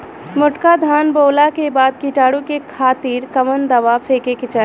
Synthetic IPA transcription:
mʊʈkad̪ʱaːnboːlakebaːd̪kiʈaːɽukekʰaːt̪iːɾkəʋənd̪əʋapʰeːkekɪt͡ʃa

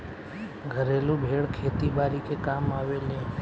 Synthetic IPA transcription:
ɡʱəɾelũbʱeɭkʰet̪ibaɾikekamaʋelẽ

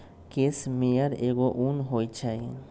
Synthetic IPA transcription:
kesmeaɾeɡoʔunɦojt͡ʃʰaj

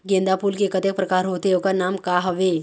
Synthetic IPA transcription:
ɡẽnd̪apuːlkekət̪ek̚pɾəkaɾɦot̪eokəɾnamkaɦəʋe

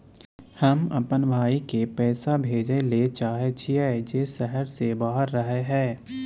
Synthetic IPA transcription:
hɐmɐ̰pənbʱaːikepɛːsabʱeːd͡ʒelet͡ʃaːɦet͡ʃʰiɛːd͡ʒeːsɛɦəɾsebaːɦəɾːəɦeɦɛ̃ː

